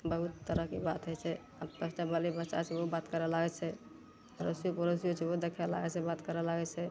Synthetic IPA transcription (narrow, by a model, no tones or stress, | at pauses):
bəɦut̪ːəɾəɦkebat̪ɦojt͡ʃʰɛ | abpəst͡ʃabəlibəʃa̰t͡ʃʰɛobat̪kəɾɛlaɡɛt͡ʃʰɛ | ɾosiopəɾos̬iot͡ʃʰɛod̪ekʰɛla̰ɡɛt͡ʃʰɛbat̪kəɾɛlaɡɛt͡ʃʰɛ